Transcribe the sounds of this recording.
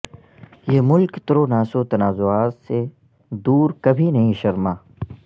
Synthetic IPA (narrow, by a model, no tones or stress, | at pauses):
jeːmʊlkt̪ɾonaːsot̪ɐnaːzoaːt̪se | d̪uːɾkɐbʱinɐɦĩʃɐɾmaː